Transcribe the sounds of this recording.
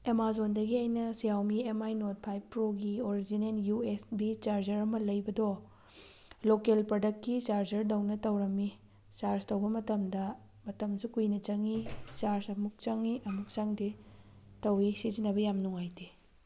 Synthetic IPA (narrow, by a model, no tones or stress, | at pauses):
emazondɐɡiajnɐsijawmiemajnot̚pʰajbpɾoɡioɾid͡ʒinenjuesbit͡ʃaɾd͡ʒɐɾɐmɐlɐjbɐdɔ | lokelpɾodɐktkːit͡ʃaɾd͡ʒɐɾdɐwnɐtɐwɾɐmːi | t͡ʃaɾstɐwbɐmɐtɐmdɐ | mɐtɐmsukujnɐt͡ʃɐŋit͡ʃaɾsɐmuk̚t͡ʃaŋiʔɐmuk̚t͡ʃaŋdi | tɐwisizinːɐbɐjamnuŋajti